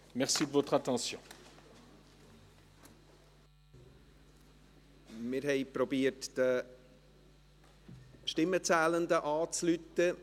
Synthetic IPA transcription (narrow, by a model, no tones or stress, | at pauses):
mɛʁsid̪əvɔt̪χat̪ɑ̃sjɔ̃ | mɪɾɦɛɪpɾɔbiːətd̪̥ə | ʃtɪmːət͡sæːlənd̪əʔɑːt͡slyt̪ə